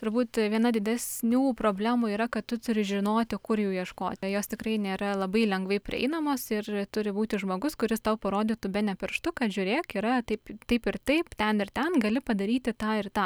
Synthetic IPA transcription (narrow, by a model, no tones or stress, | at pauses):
t̪ʊɾbuːt̪ʋʲiɛnɐd̪ʲɪd̪ʲɛsʲnʲuːpɾoːbʲlʲæːmuːiːɾɐkɐt̪t̪ʊt̪ʊɾʲɪʒʲɪnoːt̪ʲɪkʊrjuːjiɛʃko̰ːt̪ʲɪjoːstʲɪkrɐɪnʲeːɾɐlˠɐbɐɪlʲɛŋɡʋɐɪpʲɾʲɪ̰ɛ̰ɪnɐmoːsɪrt̪ʊɾʲɪbuːt̪ʲɪʒmoːɡʊskʊɾʲɪst̪ɐʊpɐɾoːd̪ʲiːt̪ʊbʲɛnʲɛpʲɪɾʃt̪ʊkɐt̪ʒʲʊːɾʲeːkiːɾɐt̪ɐɪpt̪ɐɪpɪrt̪ɐɪpt̪ʲɛnɪrt̪ʲɛnɡɐlʲɪpɐd̪ɐɾʲiːt̪ʲɪt̪ɑːɪrt̪ɑː